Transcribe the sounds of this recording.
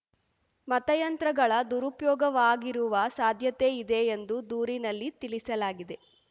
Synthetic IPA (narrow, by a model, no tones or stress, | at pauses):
mɐt̪ɐjɐnt̪ɾɐɡɐɭɐd̪uɾupjɔːɡɐʋaːɡiɾuʋɐsaːd̪ʱjɐt̪eid̪e̞ːnd̪ud̪uːɾinɐlːit̪ilisɐlaːɡid̪e̞